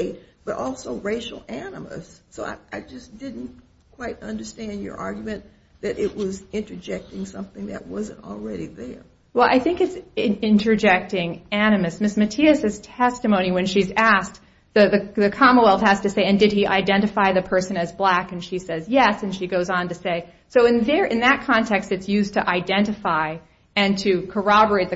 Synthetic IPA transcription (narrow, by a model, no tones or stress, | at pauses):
ɪt̚b̥ʌɾʔɔlˠsoʊɹeɪʃl̩ˠænə̰mə̰sːoʊa̰ɪʔaɪd͡ʒʌsd̥ɪdⁿn̩t | kʰw̥aɪɾʌ̃ndə˞stæ̃ndjə̰˞ʔɑɹɡjmɨ̃n | ðɨɾʔɪʔ̚wʌzɪ̃nt͡ʃɹ̥əd͡ʒɛk̚tɪ̃ŋsʌ̃mθɪ̃ŋðɨ̰ʔ̚wʌzɨ̃ntl̩ˠɹɛɾiðə˞ | wɛlˠʔa̰ɪθɪ̃ŋkɨtsɪ̃nt͡ʃɹ̥ɨd͡ʒɛk̚tɪ̃ŋæñɨmɨsmɪsmɨtʰiɨsɨz̥tʰɛstɨmõʊ̃ñiwɨ̃nʃizæsk̚ | ðɨðɨðɨkʰɑməwɛlˠθhæz̥tɨseɪɨ̃ndɨd̚iʔa̰ɪdɛ̃ñɨfaɪðɨpʰɜ˞sɨ̃nɨzblækɨ̃nʃisɛzjɛsɨ̃nʃiɡoʊzn̩tɨseɪ | soʊɨ̃nðə˞ʔɨ̃nðɨt̚kʰɑ̃ntʰɛkstɨtsjʉztʰɨʔaɪdɛ̃ntɨfaɪ | ɨ̃ntʰɨkʰə˞ɑbə˞eɪt̪̚ðɨ